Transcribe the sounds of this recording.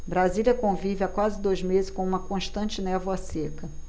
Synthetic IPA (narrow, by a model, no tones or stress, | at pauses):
bɾaziljɐkõvivɪakwazɪd̪ojzmezɪʃkõũmɐkõʃt̪ɐ̃nt͡ʃɪnɛvwɐsekɐ